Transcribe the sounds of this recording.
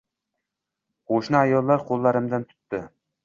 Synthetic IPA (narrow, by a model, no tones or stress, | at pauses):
oʃnɨɑjɒlˠːɑɾqʰolˠːɑɾɨmd̪ɨnt̪ʰʊ̥t̪ːɪ